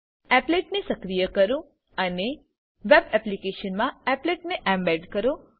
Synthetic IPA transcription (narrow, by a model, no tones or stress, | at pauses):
ɛpleʈnesəkɾijəkəɾũ | əne | ʋɛbɛplikeʃənmãɛpleʈneʔɛ̃mbɛɖkəɾõ